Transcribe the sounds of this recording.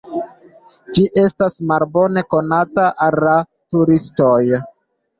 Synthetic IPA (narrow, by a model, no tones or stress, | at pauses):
d͡ʒiʔe̞stasmalbo̞ne̞ko̞nataʔalːa | tuɾistoj